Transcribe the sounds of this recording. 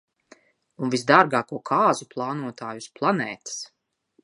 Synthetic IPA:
unvisd̪aɾɡaːkuɔkʰaːzuplˠɑːnuɔt̪aːjusplˠanɛːt̪i̥s

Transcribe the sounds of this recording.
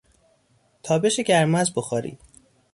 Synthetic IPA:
t̪ʰɒːbeʃeɟæɾmæzboxɒːɾḭːd̪̥

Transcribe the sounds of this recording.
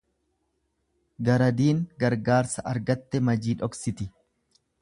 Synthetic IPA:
ɡɐɾɐd̪iːŋɡɐɾɡaːɾsɐʔɐɾɡɐt̪ːɛmɐd͡ʒiːᶑɔksɪt̪ɪ

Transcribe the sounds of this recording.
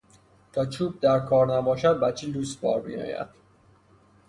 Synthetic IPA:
t̪ʰɒːt͡ʃʰuːb̚d̪æɾkʰɒːɾnæbɒːʃæd̪̚bæt͡ʃʰiːluːsbɒ̰ːɾmḭjɒ̰ːjæ̰d̪̥

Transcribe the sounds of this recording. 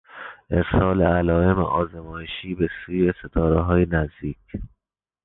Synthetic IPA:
ʔefsɒːleælɒːemḛʔɒːzemɒːjeʃiːbe̞suːjeset̪ʰɒːɾeɦɒːjenæzd̪iːcʰ

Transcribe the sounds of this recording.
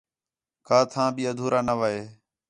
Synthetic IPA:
kaːt̪ʰãːbiːəd̪ʱuːɾʔaːnəʋaːeː

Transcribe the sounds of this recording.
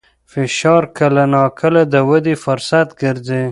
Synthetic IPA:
fɪʃɑɾkəlanɑkʰəlad̪əwəd̪efʊɾsat̪ɡəɾze

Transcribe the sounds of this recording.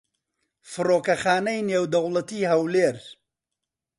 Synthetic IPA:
fɨroːkɐxaːnɐjneːwd̪ɐwlɐt̪iːɦɐwleːɾ

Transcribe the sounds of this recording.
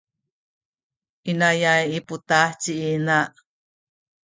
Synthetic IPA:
ʔinajajiput̪aht͡siʔinaʔ

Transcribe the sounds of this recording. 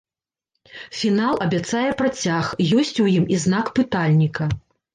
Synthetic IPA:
fʲinalˠɐbʲat̪sajɛpɾat͡sʲaxjɔsʲt͡sʲujimiznakpɨt̪alʲnʲikɐ

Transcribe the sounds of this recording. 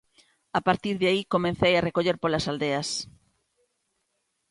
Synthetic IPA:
apaɾt̪iɾðɪaikomẽnθejarekoʎeɾpolasald̪eɐs

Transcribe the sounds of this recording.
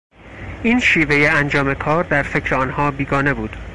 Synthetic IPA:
iːnʃiːve̞jeænd͡ʒɒːme̞kʰɒːɾd̪æɾfe̞cʰɾeɒːnhɒːbiːɡɒːne̞buːd̪̥

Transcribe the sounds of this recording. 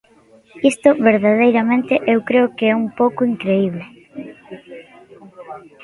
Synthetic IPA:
ist̪ʊβeɾðaðejɾamẽnt̪ɪʔewkɾeʊkeɛumpowkʊiŋkɾeiβ̞le

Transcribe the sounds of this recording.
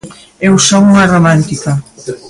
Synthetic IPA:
ewsɔŋuŋɐromãnt̪ikɐ

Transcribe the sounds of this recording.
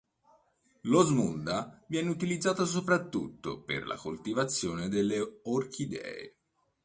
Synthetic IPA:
lozmund̪avjɛːneut̪ilid̪zːaːt̪as̬opɾat̪ːut̪ːo̰pḛrla̰kolt̪ivat̪sːjoːned̪elːeorkʰid̪ɛ̰ːḛ

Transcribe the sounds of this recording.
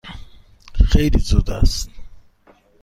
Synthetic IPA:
xejlizud̪a̰st̪

